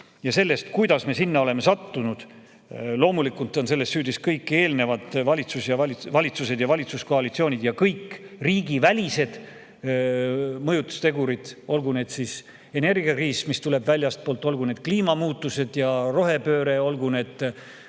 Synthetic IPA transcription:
jɑse̞lːe̞st̪kujd̪̥ɑsme̞sinːɑo̞le̞me̞sɑt̪ːunud̪̥ | lo̞ːmulikult̪ːˑo̞nse̞lːe̞st̪syːd̪̥iskɤjkːˑe̞ːlne̞vɑd̪̥vɑlʲit̪susjɑvɑlvɑlʲit̪suse̞d̪jɑvɑlʲit̪susko̞ɑlit̪sio̞ːnʲid̪̥jɑkɤjkːriːɡivælʲise̞d̪̥ | mɤjut̪ːˑu̥st̪e̞ɡuɾid̪̥o̞lɡune̞d̪̥sis | e̞ne̞rɡ̥iɑkriːsmist̪ule̞b̥vælʲjɑst̪̚poːlt̪ːˑo̞lɡ̥une̞ːd̪̥kliːmɑmuːt̪ːˑuse̞d̪̥jɑro̞ɦe̞pø̞ːɾe̞o̞lɡune̞d̪̥

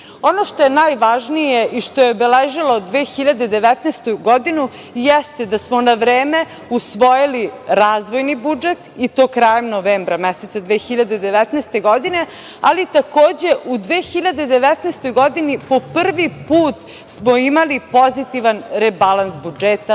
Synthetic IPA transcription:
o̞noʃt̪ojenajʋaʒnijeʔiʃt̪ojeobeleʒilod̪ʋeːxiʎad̪e̞d̪eʋɛt̪nest̪uɡod̪inu | jɛst̪ed̪asmonaʋɾeːme̞ | usʋo̞jiliɾaːzʋo̞jnibud͡ʒet̪it̪o̞ːkɾaːjemnoʋeːmbɾamɛset̪sad̪ʋeːxiʎad̪ed̪e̞ʋɛt̪nɛːst̪e̞ɡo̞d̪ine̞ | alit̪ako̞ːd͡ʑe̞ʔud̪ʋeːxiʎad̪e̞d̪eʋɛt̪neːst̪o̞jɡo̞d̪inipo̞pr̩ʋipuːt̪ | smoimalipo̞zit̪iʋanɾebalˠansbud͡ʒet̪a

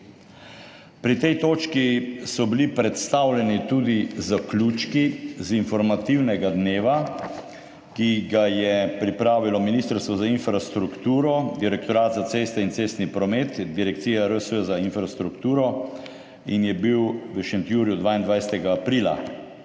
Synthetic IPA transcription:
pɾit̪ɛjt̪oːt͡ʃkisɔbilipɾɛt̪st̪awlɛnit̪uːd̪izaklʲuːt͡ʃkizinfɔɾmat̪iwnɛɡad̪neːʋa | kiɡajɛpɾipɾaːʋilɔminist̪əɾst̪ʋɔzainfɾast̪ɾukt̪uːɾɔd̪iɾɛkt̪ɔɾaːt̪zat̪seːst̪ɛint̪seːst̪nipɾɔmeːt̪d̪iɾɛkt̪siːjɛɾəsəzainfɾast̪ɾukt̪uːɾɔ | injɛbiwʋəʃɛnt̪juːɾjud̪ʋaːind̪ʋajsɛt̪ɛɡaːpɾiːla̰

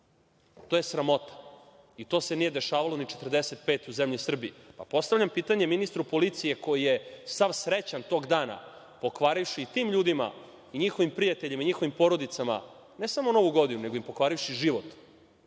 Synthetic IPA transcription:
t̪oje̞sɾamo̞t̪ḁ | it̪o̞ːse̞nijed̪e̞ʃaːʋalonit͡ʃe̞t̪r̩d̪eset̪̚pe̞ːt̪uzemʎisr̩biipa̰po̞st̪avʎʲampiːt̪aɲe̞minist̪ɾupo̞lit̪sije̞ko̞jijesaʋsɾet͡ɕant̪o̞ːɡd̪aːna̰ | po̞kʋaɾifʃiːt̪iːmʎuːd̪ima̰ | iɲixoʋimpɾijat̪eʎimaiɲixoʋimpo̞ɾo̞d̪it̪sama̰ | ne̞samono̞ʋuɡo̞d̪inune̞ɡo̞impo̞kʋaːɾifʃiʒiʋot̪

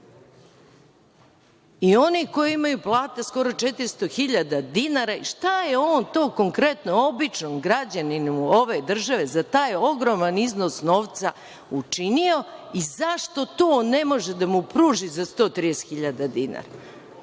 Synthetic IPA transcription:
io̞niko̞jiimajuplˠaːt̪asko̞ɾo̞t͡ʃe̞t̪iɾst̪o̞xiʎad̪ad̪inaɾaiʃt̪ajeo̞ːnt̪o̞ːko̞ŋkɾe̞t̪no̞obit͡ʂnomɡɾad͡ʑaninuo̞ʋe̞d̪r̩ʒaʋe̞zat̪aːjo̞ɡɾo̞manizno̞sno̞ːʋt̪sa | ut͡ʂinio̞izaʂt̪o̞t̪oːnːe̞mo̞ʒed̪amupɾuːʒizast̪o̞ːt̪ɾidese̥xiʎad̪ad̪ina̰ɾa

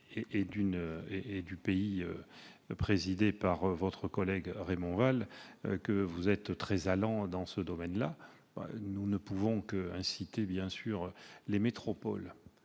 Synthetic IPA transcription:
eʔed̪ynøeed̪ypeiøpχezid̪epaʁvɔt̪χəkɔlɛɡʁemɔ̃val̰kəvuzɛt̪t̪χɛzalɑ̃d̪ɑ̃səd̪ɔmɛnla | bɛ̰nunəpuvɔ̃kəɛ̃sit̪ebjɛ̃syʁlemet̪χɔpɔl

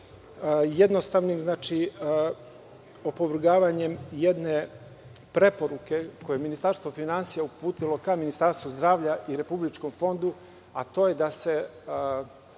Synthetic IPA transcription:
jed̪no̞st̪aʋnimznaːt͡ʃi | opoʋr̩ɡaːʋaɲe̞mjed̪ne̞ | pɾe̞po̞ɾuke̞ko̞jeminist̪aɾst̪ʋo̞finansijaupuːt̪ilo̞kaminist̪aɾst̪ʋuzd̪ɾaːʋʎaʔiɾe̞publit͡ʃko̞mfo̞nd̪u | at̪o̞ːje̞d̪ase̞

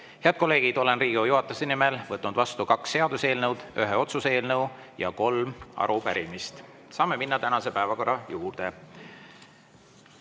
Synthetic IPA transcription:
he̞ɑd̪̥̚ko̞lːe̞ːɡ̥id̪o̞le̞nriːɡiojuɦɑt̪ːˑusenimelvɤt̪ːnud̪vɑst̪ukɑksːe̞ɑd̪̥use̞ːlnɤwd̪̥yɦeo̞t̪suse̞ːlnɤw | jɑ̰ko̞lmɑ̰ɾupæɾimist̪ | sɑːme̞minːɑt̪ænɑse̞pæevɑko̞ɾɑjuːrd̪̥e

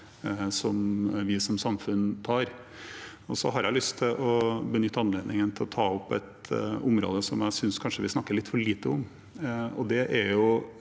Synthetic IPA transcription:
sɔmʋɪsɔmsɑmfʉnt̪ʰɑːɾ | ɔsɔ̰ɦɑɾjælʏst̪ʰːɪlʔɔbənʏt̪ːəɑnəleːd̪nɪŋənt̪ʰɪlɔt̪ʰɑːɔpːɛ̰t̪ʊmɾo̰ːd̪əsɔmjæɪsʏnskʰɑnʂəʋɪsnɑkːəɭɪt̪ːfɔɭiːt̪əɔm | ɔd̪ɛʔæɾjʊ

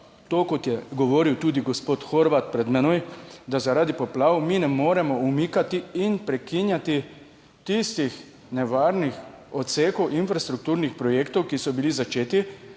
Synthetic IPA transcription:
t̪oːkot̪jɛɡɔʋoːɾiwt̪uːd̪iɡɔspoːt̪xoɾʋat̪̚pɾɛd̪mɛnojd̪azaɾad̪ipɔplaːwmiːnɛmoːɾɛmɔumikat̪iinpɾɛkinjat̪i | t̪ist̪ix | nɛʋaːɾnixɔt̪seːkɔwʔinfɾast̪ɾuk̚t̪uːɾnixpɾɔjeːkt̪ɔwkisɔbilizat͡ʃeːt̪i

